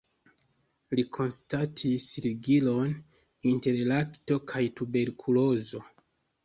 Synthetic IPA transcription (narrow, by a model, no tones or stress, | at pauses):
likʰo̞nstatʰisɾiɡilo̞n | inte̞ɾlakto̞kʰajtube̞ɾkʰulo̞zo̞